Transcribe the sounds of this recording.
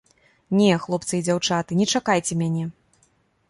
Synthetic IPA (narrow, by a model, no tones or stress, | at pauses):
nʲɛxlˠɔpt̪sɨid͡zʲawt͡ʂat̪ɨnʲɛt͡ʂakajt͡sʲɛmʲanʲɛ